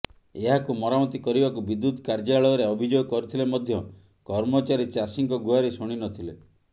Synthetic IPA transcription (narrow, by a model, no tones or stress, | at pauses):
eɦakumɔɾamɔt̪ikɔɾibakubid̪ːut̪kaɾd͡ʒaɭɔɔɾeɔbʱid͡ʒoɡɔkɔɾit̪ʰilemɔd̪ʱjɔ | kɔɾmɔt͡ʃaɾit͡ʃasiŋkɔɡuaɾisuɽ̃inɔt̪ʰile